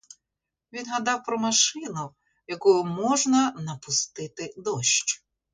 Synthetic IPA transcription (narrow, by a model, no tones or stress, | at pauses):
ʋʲinɦɐd̪ɑwpɾɔmɐʃɪnʊ | jɐkujʊmɔʒnɐnɐpʊst̪ɪt̪ɪd̪ɔʃt͡ʃ